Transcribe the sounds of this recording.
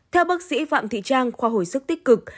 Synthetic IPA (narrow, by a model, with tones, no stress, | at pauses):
t̪ʰɛ˧wɓaː˦˥k̚sḭ˧˥fa̰ː˧˨mt̪ʰḭ˧˨t͡ɕaː˧ŋxwaː˨˧ɦo˨˩jsɨ˦˥k̚t̪i˦˥k̟̚kɨ˨˩k̚